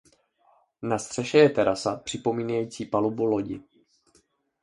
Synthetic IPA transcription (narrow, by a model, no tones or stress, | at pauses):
nast̪r̝̥ɛʃɛjɛt̪ɛɾasapr̝̥ɪpo̞miːnajiːt͡siːpalubulo̞ɟɪ̰